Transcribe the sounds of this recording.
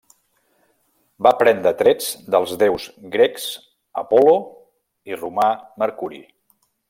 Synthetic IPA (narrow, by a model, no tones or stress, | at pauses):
bapɾɛnd̪ɾət̪ɾed͡zd̪əlˠzðewzɡɾeks | ə̰pɔlo | irumaməɾkuɾḭ